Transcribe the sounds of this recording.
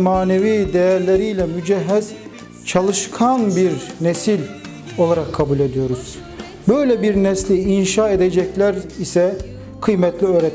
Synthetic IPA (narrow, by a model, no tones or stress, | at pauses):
maːneviːd̪ejæɾlʲeɾijlʲɛmyd͡ʒɛɦːɛz̥ | t͡ʃʰalˠɯʃkʰanbiɾnesilʲ | o̞lˠaɾakʰːabulʲe̞d̪ijo̞ɾuz̥ | bø̞jlʲɛbiɾnɛslʲiinʃaːed̪ed͡ʒɛclʲæɾisɛ | kʰɯjmɛt̪ʰlʲiøːɾɛt̪